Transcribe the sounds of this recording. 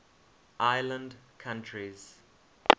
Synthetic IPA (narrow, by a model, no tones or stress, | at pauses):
ʔaɪlə̃ndkʰãntʰɹiz̥